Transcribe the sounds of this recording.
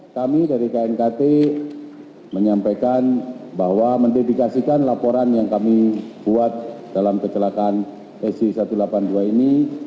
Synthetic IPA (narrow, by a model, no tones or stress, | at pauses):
kamidaɾikaɛnkat̪e | məɲampajkanbaɦwaməndedikasikanlapoɾanjaŋkamibuat̪̚d̥alamkət͡ʃəlakan | ɛsisat̪ulapanduaini